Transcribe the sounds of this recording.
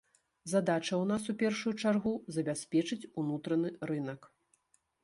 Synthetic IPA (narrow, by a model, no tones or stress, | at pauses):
zad̪at͡ʂɐwnasupʲɛrʂujut͡ʂarɣuzɐbʲasʲpʲɛt͡ʂɨt͡sʲunut̪ɾɐnɨɾɨnɐk